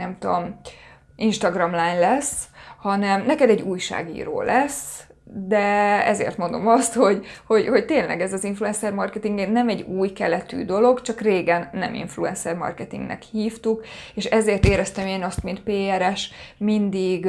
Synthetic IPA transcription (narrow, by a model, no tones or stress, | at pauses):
nɛmt̪om | inʃt̪ɒɡrɒmlaːnlɛshɒnɛmnɛkɛd̪ɛɟːuːjʃa̰ːɡḭːɾo̰ːlʔɛs | d̪ɛɛ̰zḛːrt̪mo̞nd̪o̞mɒst̪ho̞ɟho̞ɟho̞ct̪eːnlɛ̰ɡɛzɒziɱfluɛnsɛrmɒrkɛt̪iŋɡɛnnɛmɛɟuːjkɛlɛt̪y̰ːd̪o̞lo̞ɡt͡ʃɒkreːɡɛnːɛmḭɱfluɛnsɛrmɒ̰rkɛt̪ḭŋɡnɛ̰khiːft̪ukeːʃɛzeːrt̪eːɾɛst̪ɛmeːnɒst̪mint̪̚peːɛɾɛʃmind̪iɡ